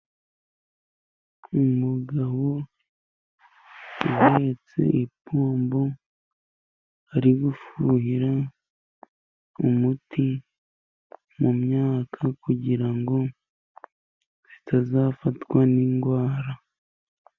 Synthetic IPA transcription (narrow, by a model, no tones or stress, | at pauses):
umuɡaβo | uhet͡se̞̰ʔipuːmbo | aɾiɡufuɦiɾa | umuti | mumɲaːkʰakuɟiɾaŋɡo̞ | z̥itazaːfatwaniːŋɡwaːɾa